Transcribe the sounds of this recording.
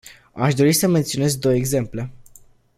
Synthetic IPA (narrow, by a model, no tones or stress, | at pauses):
aʃd̪o̞ɾisəme̞nt̪sione̞z̚d̪o̞weɡze̞mple̞